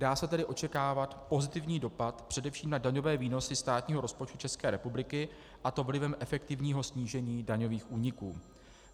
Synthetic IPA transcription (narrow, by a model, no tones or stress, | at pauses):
d̥aːsɛt̪ɛdɪʔo̞t͡ʃɛkaːvat̪po̞zɪt̪ɪvɲiːdo̞pat̪pr̥ɛdɛfʃiːmnadaɲo̞vɛːviːno̞sɪst̪aːt̪ɲiːɦo̞ɾo̞spo̞t͡ʃt̪u̥t͡ʃɛskɛːɾɛpublɪkɪ | ʔat̪o̞vlɪvɛmʔɛfɛkt̪ɪvɲiːɦo̞sɲiːʒɛɲiːdaɲo̞viːxʔuːɲɪkuː